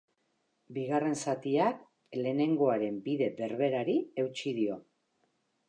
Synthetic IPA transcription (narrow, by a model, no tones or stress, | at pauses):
biɣare̞nsat̪iak | le̞ːne̞ŋɡo̞aɾe̞mbiðe̞be̞ɾβe̞ɾaɾie̞wt͡ʃiðio̞